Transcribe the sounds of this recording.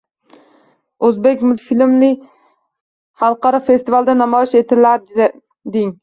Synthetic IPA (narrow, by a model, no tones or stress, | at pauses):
ɵzbekʲmʊfilmnɪ | χɑlˠqɑɾɑfest̪ivalˠd̪ɛnɑmɒjiʃet̪ʰɪɾlæɾ | d̪ɪŋ